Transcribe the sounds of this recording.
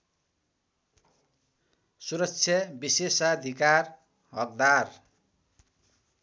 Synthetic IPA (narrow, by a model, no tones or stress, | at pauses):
suɾʌkt͡sʰjʌbisesʌd̪ʱikar | ɦʌk̚d̪ar